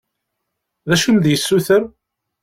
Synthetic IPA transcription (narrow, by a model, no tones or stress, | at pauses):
ðæʃund̪jəsːuθəɾ